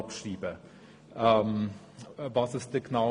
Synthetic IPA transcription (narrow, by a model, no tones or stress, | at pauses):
ɑpʃʁiːbə | ʔɛm | vɑsɪst̚d̥ɛːɡ̥naʊ